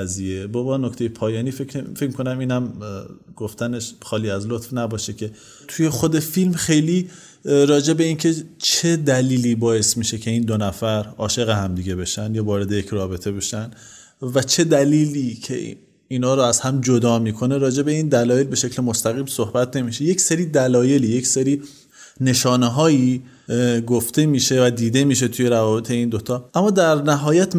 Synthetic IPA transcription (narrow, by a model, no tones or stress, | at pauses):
æzijebɒbɒːnokt̪ʰejepʰɒːjɒːniːfefecmikʰonæmiːnæm | ɡ̥oft̪æneʃxɒːliːæzlot̪fnæbɒːʃecʲʰe̞ | t̪ʰuje̞xo̞d̪e̞filmxe̞jliː | ɾɒːd͡ʒe̞be̞iːncʰe̞t͡ʃʰe̞d̪æliːliːbɒːje̞st̪miːʃe̞cʰe̞iːnd̪onæfæɾɒːʃe̞ɣeɦæmd̪iɟe̞be̞ʃænd̪jɒːvɒːɾe̞d̪ejecɾɒːbe̞t̪ʰe̞be̞ʃænd̪ | væt͡ʃʰe̞d̪æliːliːcʰḛ | iːnɒːɾɔæzhæmd͡ʒo̞d̪ɒːmiːkʰo̞ne̞ɾɒːd͡ʒe̞be̞iːnd̪ælɒːje̞lbe̞ʃe̞cʰlemo̞st̪æɣiːmsohbæt̪ne̞miːʃe̞je̞cseɾiːd̪ælɒːje̞liːjecseɾiː | ne̞ʃɒːneɦɒːjiː | ɡoft̪e̞miːʃe̞væd̪iːd̪e̞miːʃ̬e̞t̪ʰuje̞ɾævɒːbe̞t̪ʰe̞iːnd̪ot̪ʰɒːʔæmːɒːd̪æɾnæɦɒːjæt̪